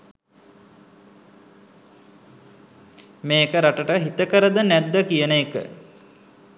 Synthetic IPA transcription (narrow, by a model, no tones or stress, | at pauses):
meːekəɾaʈəʈəɦit̪əkəɾəd̪ənæd̪ːəkijənəekə̰